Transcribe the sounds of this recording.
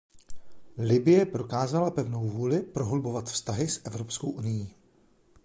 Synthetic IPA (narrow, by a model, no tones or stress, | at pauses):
lɪbɪjɛpɾo̞kaːzalapɛvno̞wvuːlɪpɾoɦolbo̞vat̪fst̪aɦɪsʔɛvɾo̞pskowʔunɪjiː